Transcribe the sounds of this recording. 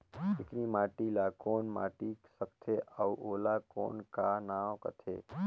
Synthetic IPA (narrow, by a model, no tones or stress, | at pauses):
pɪknimaːʈilakoːnma̰ːʈisəkt̪ʰeauʔoːlako̰ːnkanaːokə̰t̪ʰḛː